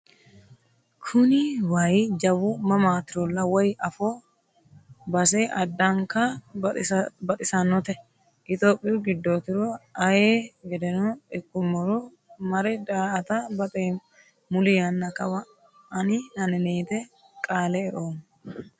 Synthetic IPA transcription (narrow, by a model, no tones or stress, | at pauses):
kʰʊnɪwaːjɪd͡ʒɐwʊmɐmaːt̪ɪɾɔlːɐwɔjʔɐfoː | bɐs̬eːʔɐd̪ːɐŋkɐ | bɐt̪ʼɪsɐnːɔt̪ɛ | ʔɪt̪oːpʼːɪjʊɡɪd̪ːoːt̪ɪɾɔɐjeːɡɛd̪ɛnɔɛkːʊmːɔɾɔ | mɐɾɛd̪aːɐt̪ɐbɐt̪ʼe | mʊlɪjɐnːɐkɐwɐ | ɐnɪnɐnɪneːt̪ɛ | kʼaːlɛɛʔoːm